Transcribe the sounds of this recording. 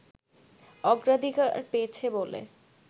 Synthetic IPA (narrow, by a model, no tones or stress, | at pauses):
ɔɡɾad̪ʱikaɾpeːt͡ɕʰebolḛ